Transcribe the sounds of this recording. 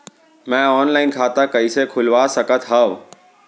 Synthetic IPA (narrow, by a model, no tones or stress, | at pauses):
mɛ̃ːɔːnlaːɪnkʰaːt̪akɐisekʰʊlʋasəkət̪ʰɦəʋ